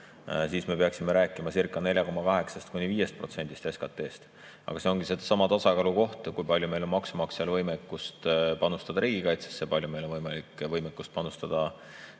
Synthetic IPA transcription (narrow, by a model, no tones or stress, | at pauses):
siːsme̞pe̞ɑksimeɾæːkːˑimɑsirkːˑɑne̞lʲjɑko̞mɑkɑɦe̞ksɑst̪̚kunʲiviːje̞st̪̚pro̞t̪se̞nd̪ist̪eskɑt̪ːˑe̞ːst̪ | ʔɑ̰ɡ̥ɑseo̞nɡ̥ised̪̥ɑsɑmɑt̪ɑsɑkɑluko̞ht̪kujpɑlʲjume̞jlo̞nmɑksumɑkseɑlvɤjmekːˑust̪pɑnust̪ɑd̪̥ɑɾiːɡ̥ikɑjt̪se̥sːe̞pɑlʲjume̞jlonvɤjmɑlikːvɤjmekːˑust̪pɑnust̪ɑd̪̥ɑ